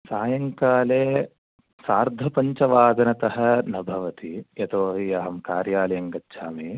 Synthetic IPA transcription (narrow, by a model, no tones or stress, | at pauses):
saːjɐŋkaːleː | saːɾd̪ʱɐpɐɲt͡ʃɐʋaːd̪ɐnɐt̪ɐɦɐ̆nɐbʱɐʋɐt̪iet̪oːɦiɐɦɐmkaːɾjaːlɐjɐŋɡɐtːʃʰaːmi